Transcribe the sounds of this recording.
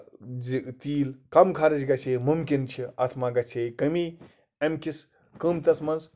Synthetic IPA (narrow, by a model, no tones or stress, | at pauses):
d͡zit̪iːlkɐmkʰaɾɐd͡ʒɡɐt͡ʃʰeːmumkint͡ʃʰiat̪ʰmaːɡɐt͡sʰeːkɐmiː | ɐmkis | kɨːmt̪ɐsmɐnz